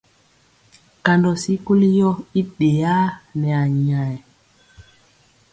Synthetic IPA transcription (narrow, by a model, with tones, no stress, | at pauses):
ka˨ndɔ˨si˦ku˦li˦jɔ˦i˦ɗe˨ja˦nɛ˨a˨ɲ˨a˨ɛ˨